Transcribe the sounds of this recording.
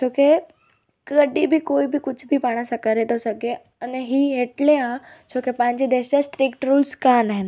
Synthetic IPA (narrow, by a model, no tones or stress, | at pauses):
t͡ʃʰoke | kəɖibʱikoːibʱikʊt͡ʃʰbʱipaɽ̃ãsakəɾet̪osəɡe | əneɦiɦeʈleat͡ʃʰokepãɲd͡ʑid̪eʃasʈɾikʈɾuːlskanaɦen